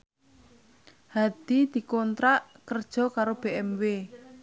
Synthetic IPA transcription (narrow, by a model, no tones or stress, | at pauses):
had̪̥id̪̥i̤kɔnt̪ɾaʔkərd̥ʒ̥ɔ̤kaɾob̥eʔɛmwe